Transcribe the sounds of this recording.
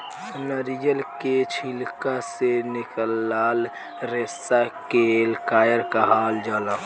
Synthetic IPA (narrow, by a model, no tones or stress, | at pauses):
nəɾijəlket͡ʃʰilkasenɪkəlːaːl | ɾesakelkaːjəɾkaɦaːld͡ʒaːlã